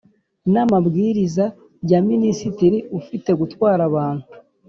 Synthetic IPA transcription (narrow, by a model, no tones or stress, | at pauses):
namabɡiːɾiza | jaminisitiɾiufite̞ɡutwaːɾaβaːn̥hu